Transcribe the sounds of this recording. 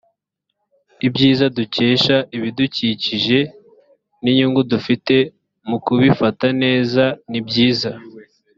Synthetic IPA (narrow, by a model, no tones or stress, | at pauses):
ibɟiːzaduce̞ːʃaʔiβiduciciʒe̞ | niɲuːŋɡudufite̞ | mukuβifatane̞ːzanibɟiːza